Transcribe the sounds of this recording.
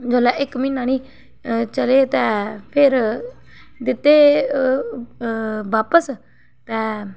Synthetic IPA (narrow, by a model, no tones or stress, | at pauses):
d͡ʒoːlɛːʔɪkminãːnĩː | t͡ʃəleːt̪ɛ̃ːpʰɪɾ | d̪ɪt̪ːeː | baːpəs | t̪ɛ̃ː